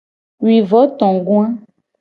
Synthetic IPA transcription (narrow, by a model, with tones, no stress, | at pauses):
wi˨vɔ˨˦t̪ɔ̃˨ɡũ˦ã˦